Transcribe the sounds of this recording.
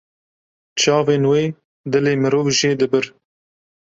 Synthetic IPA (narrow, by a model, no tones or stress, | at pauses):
t͡ʃɑːveːnweː | d̪ɨleːmɨɾoːvʒeːd̪ɨbɨɾ